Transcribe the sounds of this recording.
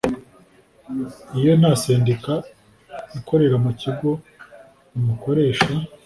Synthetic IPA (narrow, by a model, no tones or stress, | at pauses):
ijo̞n̥haseːndika | ikʰo̞ɾe̞ɾamuciɡo̞ | numuko̞ɾe̞ːʃa